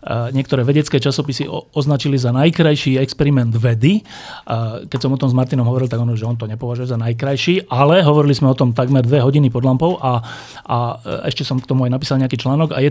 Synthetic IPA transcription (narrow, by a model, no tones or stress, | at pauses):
ɲɪɛkt̪ɔɾɛːʋɛɟɛt͡skɛːt͡ʃasɔpisiɔznat͡ʃilizanajkɾajʃiːɛkspɛɾimɛnd̪ʋɛd̪i | kɛcsɔmɔt̪ɔmzmaɾt̪inɔmɦɔʋɔɾilt̪aɡɔnʒɛɔnt̪ɔɲɛpɔʋaʒujɛzanajkɾajʃiːalɛɦɔʋɔɾilizmɛɔt̪ɔmt̪aɡmɛɾd̪ʋɛɦɔɟinipɔd̪lampɔʊʔa | aɛʃcɛsɔmkt̪ɔmuajnapiːsalɲɛakiːt͡ʃlaːnɔɡa̰jɛ